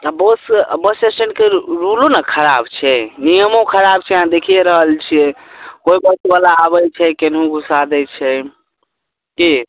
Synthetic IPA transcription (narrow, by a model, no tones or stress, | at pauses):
abəsbəsesəɳʈkeɾulõnakʰəɾabt͡ʃʰɛnijəmõkʰəɾab̚t͡ʃʰɛɦãd̪ekʰijeɾəɦəlt͡ʃʰiɛkoibət̪balaːβət͡ʃʰɛkenɦũɡʱusad̪ɛt͡ʃʰɛ | ki